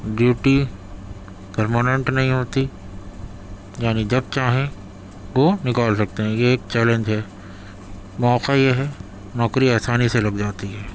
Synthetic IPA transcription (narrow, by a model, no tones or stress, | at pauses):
ɖjuːʈi | pɐɾmaːnẽɳʈnɐɦĩɦoːt̪i | jaːnid͡ʒɐb̚t͡ʃaːɦẽ | ʋonɪkaːlsɐk̚t̪eɦɛ̃jeːk̚t͡ʃɛːlẽɲd͡ʒɦɛː | mɔːqajeɦɛ | nɔːkɾiaːsaːniselɐɡd͡ʒaːt̪iɦɛː